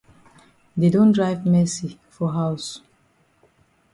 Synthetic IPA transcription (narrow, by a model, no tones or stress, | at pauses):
dedõndɹaɪvmɛsifɔɦaws